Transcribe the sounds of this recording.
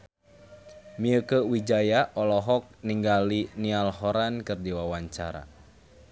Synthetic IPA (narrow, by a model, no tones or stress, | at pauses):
miəkəwid͡ʒajaʔɔlɔɦɔk̚niŋɡalinialɦɔɾankɨrdiwawaɲt͡ʃa̰ɾa̰